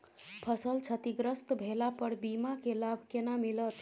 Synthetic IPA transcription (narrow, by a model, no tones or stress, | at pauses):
pʰəsəlt͡ʃʰət̪iɡɾəst̪bʱelapəɾbimakelabʱkenamilət̪